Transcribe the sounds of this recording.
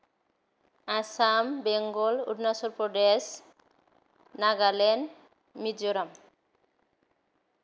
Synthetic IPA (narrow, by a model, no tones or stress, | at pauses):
asambeŋɡolṵɖnasoɾpɾoɖes | naɡalen | mid͡ʒoɾam